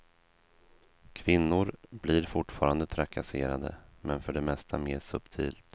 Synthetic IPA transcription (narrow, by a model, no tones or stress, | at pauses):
kʰvɪnːʊɾbliːɾfʊʈfɑːɾand̪ət̪ʰɾakʰaseːɾad̪ə̰mɛnfœɖɛmɛst̪ʰameːʂɵpt̪ʰiːlt̪